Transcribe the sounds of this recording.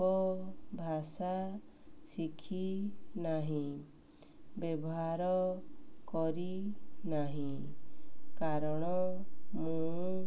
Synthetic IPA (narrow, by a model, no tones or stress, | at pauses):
ɔbʱasa | sikʰinaɦĩ | bjɔbɔɦaɾɔkɔɾinaɦĩ | kaɾɔɽ̃ɔmũ